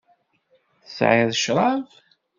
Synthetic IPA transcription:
θəsʕiðəʃɾˤɑv

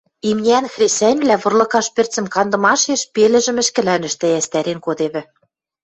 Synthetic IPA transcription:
imnʲænxrʲesænʲβlʲæβɤ̆rlɤ̆kɑʃpɘ̆rt͡sɘ̆mkɑnd̪ɤ̆mɑʃeʃpelɘ̆ʒɘ̆mɘ̆ʃkɘ̆lænɘ̆ʃt̪ɘ̆æst̪æɾenkod̪eβɘ̆

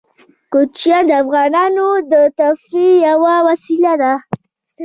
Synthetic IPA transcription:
kʊt͡ʃjad̪əafɣɑnɑnod̪ət̪afɾijawawasilad̪a

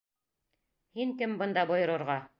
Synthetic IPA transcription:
hiŋkɘmbɤ̆nd̪ɑbŏjɤ̆ɾɤ̆ɾʁɑ

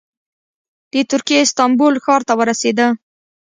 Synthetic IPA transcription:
d̪̥ət̪ʊɾkijeɪst̪ɑmbolxɑɾt̪awəɾased̪ə

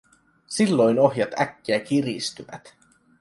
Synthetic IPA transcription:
silːo̞jno̞ɦjɑt̪ækːiækirist̪yʋæ̰t̪

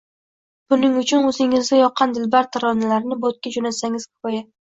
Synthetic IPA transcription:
b̥ʊnɪŋʊt͡ʃʰʊnɵzɪŋɪzɡʲajɒqʰːɑnd̪ɪlbaɾt̪ʰaɾɒnalaɾnɪbot̪̚kʲad͡ʒonat̪saŋɪz̥kʰʊ̥pɒja

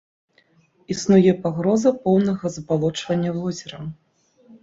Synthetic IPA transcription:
isnujɛpaɣɾɔzɐpɔwnɐɣɐzɐbalˠɔt͡ʂvɐnʲːɐvɔzʲɛɾɐ

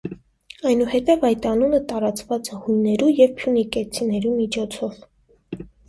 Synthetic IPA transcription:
ɑjnuhɛt̪ɛvɑjt̪ɑnunət̪ɑɾɑt͡svɑt͡sɛhujnːɛɾujɛvpʰjunikɛt͡sʰinɛɾumit͡ʃʰɔt͡sʰɔv

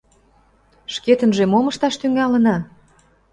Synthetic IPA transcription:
ʃket̪ə̆nʒemoməʃt̪ɑʃt̪yŋɑlənɑ

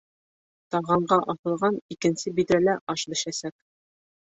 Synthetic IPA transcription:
t̪ɒʁɑɴɢɑʔɒθɤ̆lˠʁɑnikɘ̆nsɘbid̪ɾælæʔɒʃbɘ̆ʃæsæk̚

